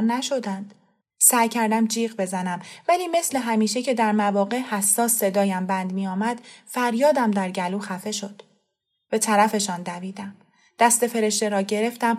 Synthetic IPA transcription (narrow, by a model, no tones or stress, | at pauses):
nːæʃo̞d̪ænd̪̥ | sæjcʰæɾd̪æmd͡ʒiːɣbe̞zænæmvæliːme̞sle̞ɦæmiːʃecʰe̞d̪æɾmævɒːɣe̞ʔhæsːɒːsːe̞d̪ɒːjæmbænd̪miːɒːmæd̪̥fæɾjɒːd̪æmd̪æɾɟæluːxæfe̞ʃo̞d̪̥ | b̥e̞t̪ʰæɾæfe̞ʃɒːnd̪æviːd̪æm | d̪̥æst̪e̞fe̞ɾe̞ʃt̪e̞ɾɒːɟe̞ɾe̞ft̪æm